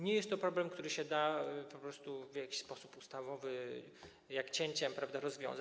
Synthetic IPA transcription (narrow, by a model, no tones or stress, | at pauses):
ɲɛjɛst̪ːɔpɾɔblɛmkt̪uɾɘɕɛd̪apɔpɾɔst̪uvʲjakʲi̥ɕspɔsupust̪avɔvɘ | jakt͡ɕɛɲt͡ɕɛmpɾavd̪aɾɔzvʲjɔ̰̃w̃za